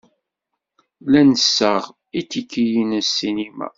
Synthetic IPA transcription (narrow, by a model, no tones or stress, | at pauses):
lænəsːəʁ | it͡sːikːijinsːinimæ̰